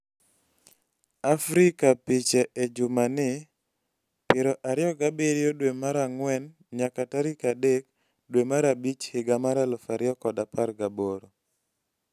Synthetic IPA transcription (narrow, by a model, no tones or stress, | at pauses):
afɾikapit͡ʃɛʔɛd͡ʒʊmanɪ | pɪɾɔʔaɾɪjɔɡabeɾjodwemaɾaŋwɛn | ɲakataɾikadek | dwemaɾabit͡ʃhɪɡamaɾalɔfaɾɪɔkɔdapaɾɡaboɾo